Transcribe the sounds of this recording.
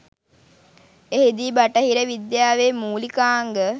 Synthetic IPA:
eɦid̪iːbaʈəɦiɾəʋid̪jaːʋeːmuːlikaːŋɡə

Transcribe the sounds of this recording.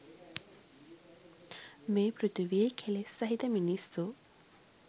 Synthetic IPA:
meːpɾut̪iʋiekʰelesɐɦit̪əminisu

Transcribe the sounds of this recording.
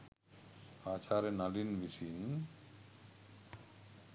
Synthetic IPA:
aːt͡ʃʰaɾenalinbisin

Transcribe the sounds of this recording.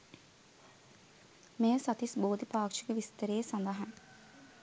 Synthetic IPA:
meːəsɐt̪isboːd̪ipaːkʂikeʋist̪əɾeːsɐnd̪ɐɦɐŋ

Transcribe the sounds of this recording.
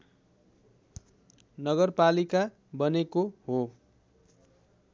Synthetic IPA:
nʌɡʌrpalika | bʌnekoɦo

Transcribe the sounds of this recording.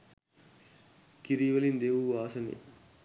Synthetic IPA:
kiɾiʋɐlind̪eːʋuaːsɐnḭ

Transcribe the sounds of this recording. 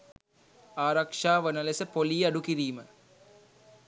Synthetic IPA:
aːɾɐkʂaːʋənɐlesəpoliːɐɖukiɾiːmə

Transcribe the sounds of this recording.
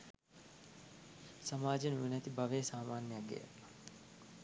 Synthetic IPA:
samaːd͡ʒenuinɛt̪ibaʋeːsaːmaːnjjaɡḛ

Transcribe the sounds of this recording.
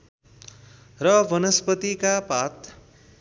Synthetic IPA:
rʌbʌnʌspʌt̪ikapat̪

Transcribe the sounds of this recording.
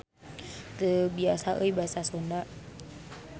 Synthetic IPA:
t̪əbiasaʔəjbasasondaʔ

